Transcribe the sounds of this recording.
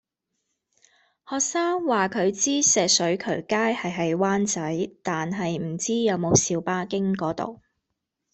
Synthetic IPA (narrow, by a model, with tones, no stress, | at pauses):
hɔː˨k̚saː˥ŋwaː˨kʰɵ˨˧ɥt͡siː˥sɛː˨k̚sɵ˨˥ɥkʰɵ˨˩ɥkaː˥jhɐ˨jɦɐ˨˧jwaː˥nt͡sɐ˨˥jt̪aː˨nɦɐ˨jm̩˨˩t͡siː˥jɐ˨˧wmo˨˧wsiː˨˧wpaː˥kɪ˥ŋkɔː˨˥t̪o̰˨w